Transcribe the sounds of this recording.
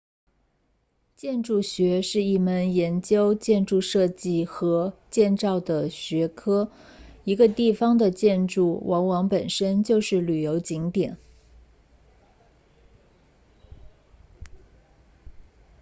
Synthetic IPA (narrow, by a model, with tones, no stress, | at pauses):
t͡ɕjɛ˥˧nʈ͡ʂu˥˩ɕɥɛ˧˥ʂɻ̩˥˧i˥˩mə˧˩njɛ˧˥nt͡ɕjo˥ʊt͡ɕjɛ˥˧nʈ͡ʂu˥˧ʂɤ˥˧t͡ɕi˥˩xɤ˧˥t͡ɕjɛ˥˧nt͡sɑ˥˩ʊd̪ə˩ɕɥɛ˧˥kʰɤ˥ | i˧˥ɡə˧t̪i˥˩fɑ˧˥ŋd̪ə˨t͡ɕjɛ˥˧nʈ͡ʂu˥˩wʔɑ˧˥ŋwɑ˧˥ŋpə˨˩nʂə˥nt͡ɕjo˥˧ʊʂɻ̩˥˩ly˨˩jo˧˥ʊt͡ɕi˧˥ŋt̪jɛ˨˩˦n